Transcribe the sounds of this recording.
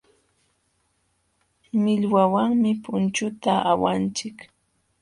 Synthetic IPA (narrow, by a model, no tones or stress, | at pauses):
mɪʎwawaŋmɪpʊnt͡ʃʊt̪aʔawant͡ʃɪk